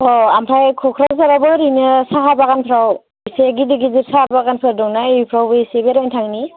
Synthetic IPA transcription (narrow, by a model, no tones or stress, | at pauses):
ɔampʰajkʰɔkʰɾazaɾabɯɾinɯsaɦabaɡanpʰɾaw | iseɡidiɡiziɾsaabaɡanpʰaɾdɔŋnajpʰɾawbɯisebeɾajntʰaŋni